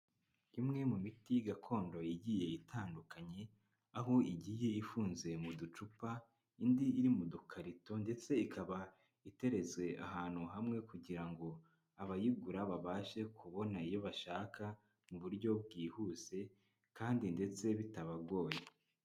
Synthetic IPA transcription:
imŋe̞mumitijɡakʰo̞ːndo̞jiɟije̞itʰaːndukaɲe̞ | aɦo̞iɟiːje̞ifuːnze̞mudut͡ʃupa | indiiɾimudukʰaɾito̞nde̞t͡se̞ikʰaβa | ite̞ɾe̞zwe̞ʔa̰ɦaːn̥huɦamŋe̞kuɟiɾaŋɡo̞ | aβajiɡuɾaβaβaːʃe̞kuβo̞naijo̞βaʃaːka | muβuɾɟo̞b̚ɡiːhuze̞ | kaːndinde̞t͡se̞βitaβaɡo̞ːje

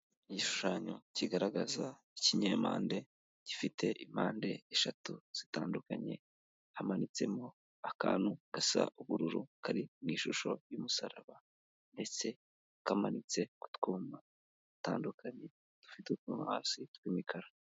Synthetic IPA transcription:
iɟiʃu̥ʃaːɲo̞ciɡaɾaɡaza | iciɲeːma̰ːnde̞ | ɟ̥ifitʰe̞ʔimaːnde̞eʃatuz̥itaːndukaɲe̞̰ | hamanit͡se̞mo̞ | aka̰ːnuɡ̥asa̰ʔuβuɾuɾukʰaɾiniːʃuʃo̞jumusaɾaβa | nde̞t͡se̞ | kamanit͡se̞ku̥tkuːma | taːndukʰaɲe̞ | d̥u̥fitutkuːmahaːsitkwiːmikʰaɾa

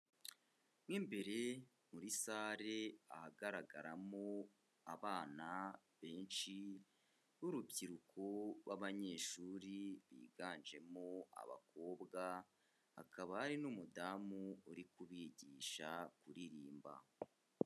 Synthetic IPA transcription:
mwiːmbe̞ɾe̞ | muɾisaːɾe̞ahaɡaɾaɡa̰ɾamo | aβaːnaβe̞ːnʃi | ɾuɾubɟiɾukʰoβwaβaɲe̞ːʃuːɾiβḭːɡaːnd͡ʒe̞moa̰βa̰kʰo̞ːbɡa | ha̰kʰaβahaɾinumudamuuɾikuβiɟiːʃakuɾiɾiːmba̰

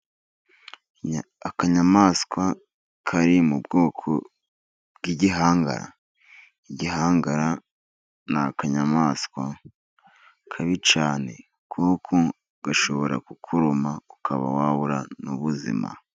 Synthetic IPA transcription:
akaɲamaːskwa | kʰaɾimubɡo̞ːkʰo̰ | bɡiɟiɦaːŋɡa̰ɾa̰ | iɟiɦaːŋɡaɾa | nakaɲamaːskwa | kʰaβit͡ʃaːne̞̰ | kʰukʰo | ɡ̥aʃo̞βo̞ɾa̰kukʰuɾumaukʰaβa̰waβuɾanuβuzḭma̰

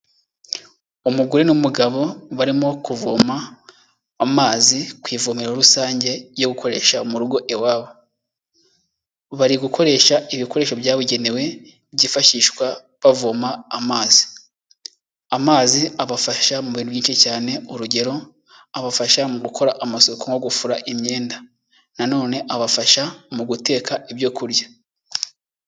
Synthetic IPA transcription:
umuɡuɾenumuɡaβo̞βaɾimo̞kuvomaː | maːzikwiːvumiɾoɾusaːɲɟe̞ɾjo̞ɡukʰo̞ɾe̞ːʃamuɾuɡo̞ʔewaːβo | βaɾiɡukʰo̞ɾe̞ʃaiβiko̞ɾe̞ːʃo̞bjaːβuɟe̞ne̞we̞ | βɟifaʃiːʃkwa | βavomaːmaːzi | amaːziaβafaʃamuβiːnuβɟiːnʃicaːne̞uɾuɟe̞ɾo̞ | aβafaʃamuɡukʰo̞ɾaʔamasokoŋɡo̞ɡufuɾaʔimɲe̞ːnda | nano̞ːne̞ʔaβafaʃamuɡute̞ːkaʔeβjo̞kuɾja

